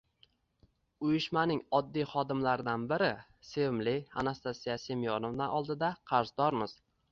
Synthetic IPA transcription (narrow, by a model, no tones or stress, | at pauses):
ʊjɪʃmanɪŋɒd̪ːijχɒd̪ɪmlaɾd̪anbɪɾɪ | semlia̰nast̪asijasemijɒnovnaʔɒlˠd̪ɪd̪aqʰɑɾzd̪ɒɾmɪz̥